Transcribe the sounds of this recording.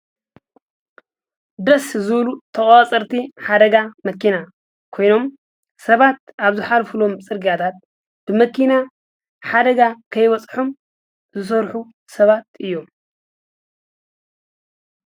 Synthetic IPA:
d̪ɾɐszɨβlut̪ʰɐχʼat͡sʼɐɾt̪ʰiħad̪ɐɡamɐkina | kʰo̞jno̞m | sɐβat̪aβzɨħalfɨlo̞mt͡sʼɨɾɡiat̪ʰat̪̚ | b̥ɨmɐkʰina | ħad̪ɐɡakʰɐjβɐt͡sʼħom | zɨs̬ɐɾħu | sɐβat̪ɨjːo̞m

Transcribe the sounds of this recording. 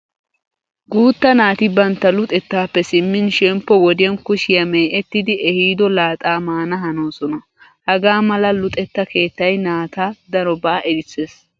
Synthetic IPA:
ɡuːt̪ːɐnaːt̪ɪbɐnt̪ːɐlʊt̪ʼɛt̪ːaːpːɛsɪmːɪnʃɛmpːɔwɔd̪ɪɐnkʊʃɪjɐmeːʔɛt̪ːɪd̪ɪʔɛhiːd̪ɔlaːt̪ʼaːmaːnɐɦɐnoːsɔnɐ | hɐɡaːmɐlɐlʊt̪ʼɛt̪ːɐke̞ːt̪ːɐjnaːt̪aːd̪ɐɾɔbaːʔɛd̪ɪt͡sːeːs

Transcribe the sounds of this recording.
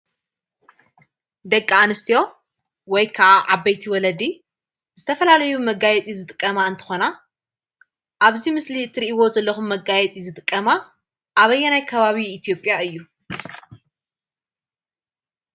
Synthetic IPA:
d̪ɐkʼːaanɨst̪ʰijo̞ | wɔjkʰaʔaʕabːɐjt̪ʰiwɔlɐd̪i | zɨt̪ʰɐfɐlalɐjumɐɡajɛt͡sʼizɨt̪ʼɨkʼːɐmaɨnt̪ʰɨ̥xo̞na | ʔaβzimɨslit̪ʰɨɾiʔiwo̞zɐlːɐxumːɐɡajɛt͡sʼizɨt̪ʼɨkʼːɐma | ʔaβɐjːɛnajkʰɐβaβiːt̪ʰijo̞pʼjaɨjːu

